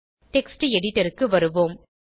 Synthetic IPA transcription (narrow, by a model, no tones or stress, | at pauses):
ʈɛksʈɨɛɽɪʈːɐɾɯkːɯʋɐɾɯʋoːm